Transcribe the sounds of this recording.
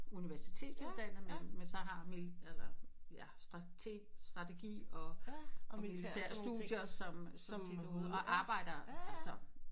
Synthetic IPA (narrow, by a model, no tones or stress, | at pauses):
uniʋæɐsi̥t͡sʰe̝̰ːd̥sud̥æn̰ð̩menmensɒ̽ɦɑ̈milælɐjæsd̥ʁɑ̈t͡sʰe̝̰ːd̥sd̥ʁɑ̈t͡sʰe̝ɡ̥ḭːɒ̽ʔɒmmilit͡sʰeɐ̰sd̥ṵð̥jɐsɒ̽msɒ̽sed̥uð̩ˠɒʔɑ̈ːb̥ɑ̈ɪ̰ɾ̥ɐælsɐ